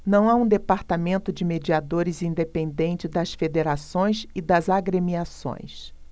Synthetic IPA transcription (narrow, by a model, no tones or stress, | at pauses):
nɐ̃w̃aũd̪epaɾt̪amẽnt̪ʊd͡ʒɪmed͡ʒiad̪oɾɪzĩnd̪epẽnd̪ẽnt͡ʃɪd̪ɐsfed̪eɾasõj̃sɪd̪ɐzaɡɾemiasõ̰j̃s